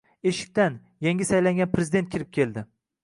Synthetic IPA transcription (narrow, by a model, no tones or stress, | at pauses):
eʃɪ̥k̚ʲt̪an | jaŋʲɪsajlaŋɡʲanpʰɾezɪd̪e̞nt̪̚kʲɪɾɪp̚kʲʰe̞lˠd̪ɪ